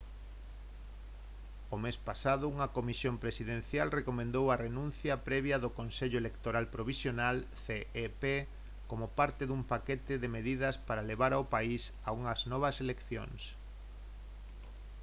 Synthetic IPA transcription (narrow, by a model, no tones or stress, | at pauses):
ʊmespasaðʊuŋɐkomisjompɾesiðẽn̟θjalrekomẽnd̪owɐrenũnθjɐpɾɛβjɐðʊkonseʎʊelekt̪oɾalpɾoβ̞isjonalθeepe | komʊpaɾt̪ɪðumpaket̪ɪðemeðið̞ɐspaɾaleβ̞aɾaʊpaisauŋɐznɔβ̞ɐselekθjo̰ŋs